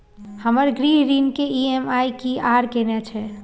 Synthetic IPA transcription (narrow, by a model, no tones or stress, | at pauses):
həməɾɡɾiɦɾinkeiemajkiaɾkenɛt͡ʃʰɛ